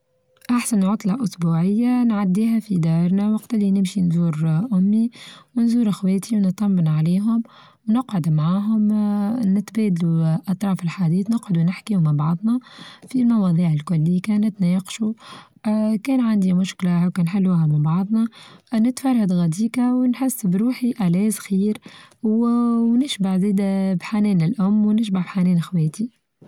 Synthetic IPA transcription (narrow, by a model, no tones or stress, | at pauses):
ʔaħsanːʕʊt̪ˤlɑʔʊsbuːʕɪjːanʕad̪ːiːɦæfid̪ɑːɾˤnawɑqt̪ɪlːinɪmʃinzuːɾʔʊmːiwnzuːɾʔɪxwɛːt̪ʰiwnt̪ˤːɑmːənʕaliːɦʊm | wnʊqʕʊd̪mʕaːɦʊmnɪt̪bɛːd̪luʔɑt̪ˤɾˤɑːfɪlħad̪iːθnʊqʕʊd̪unɪħkiːhʊmabɑʕðˤnɑfilmɑwɑːðˤiːʕɪlkʊlːɪːkænɪt̪nɛːqʃu | kɛːnʕand̪imʊʃklawkɛːnħɪlːuːɦamɪnbɑʕðˤnɑnɪt̪fɑɾˤhad̪ɣæd̪iːkawnħɪsːbɾuːħiʔælɛːzxiːɾwwnɪʃbaʕziːd̪bħanɛːnɪlʔʊmːwnɪʃ̬baʕbħanɛːnxwɛːt̪i